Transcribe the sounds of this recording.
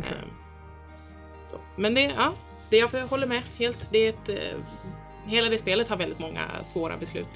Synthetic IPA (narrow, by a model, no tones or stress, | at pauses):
so̰ | mɛnd̪ɛɑː | d̪̥ɛjafhɔlːəɾmɛheːlt̪d̪ɛɛt̪ | ɦeːlad̪ɛspeːlət̪haɾvɛld̪ɪt̪mɔŋːa̰svoːɾa̰bɛslʉ̟̰ːt̪